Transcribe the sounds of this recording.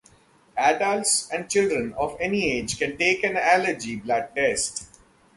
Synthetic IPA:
æɖəlʈsɛ̃ɳɖ̚t͡ʃɪlɖɾə̃nɔːʋɛnieːd͡ʒkɛ̃nʈeːkɛ̃næləɾd͡ʒiblæk̚ɖɛsʈ

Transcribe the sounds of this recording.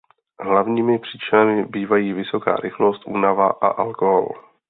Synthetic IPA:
ɦlavɲiːmɪpr̝̥iːt͡ʃɪnamɪbiːvajiːvɪso̞ka̰ːɾʔɪxlo̞st̪ʔṵːnavaʔa̰ʔalkoɦo̰l

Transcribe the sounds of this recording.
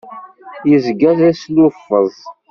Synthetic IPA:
jəzɡæθæslufːəðˤ

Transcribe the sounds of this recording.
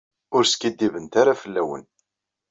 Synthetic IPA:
ʊɾskid̪ːivənt̪aɾafəlːæwə̰n

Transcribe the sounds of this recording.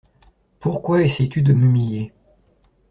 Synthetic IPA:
puʁkwaɛsɛjt̪yd̪əmymilje

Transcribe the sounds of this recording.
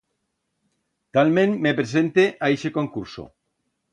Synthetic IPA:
t̪almẽnmːepɾesẽnt̪eʔaeʃekoŋkuɾso̰

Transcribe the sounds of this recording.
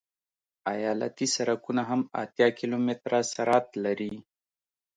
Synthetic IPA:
ajɑla̰t̪isaɾakunaɦama̰t̪jɑkilomɪt̪ɾasaɾɑt̪laɾi

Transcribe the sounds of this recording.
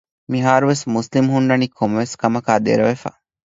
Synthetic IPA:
miɦaːɾuʋesmuslimhuɳɖɐnikʰomɐʋeskɐmɐkaːd̪ḛɾɐʋefa̰

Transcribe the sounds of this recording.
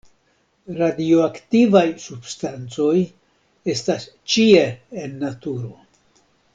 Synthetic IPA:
ɾadioaktivajsub̥stant͡so̞j | e̞stas | t͡ʃieːnːatuɾo̞

